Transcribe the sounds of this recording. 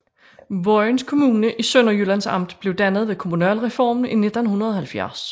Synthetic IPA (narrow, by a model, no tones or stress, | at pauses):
ʋɒɪnskʰo̝muːnəʔisøn̰ɒjølænsɑ̈m̰d̥b̥le̝ʊd̥ænð̞̩ˠʋe̝kʰo̝munælʁɛfɒ̰ːmn̩ine̝d̥nhunɐð̞ˠɒhælfjæɐs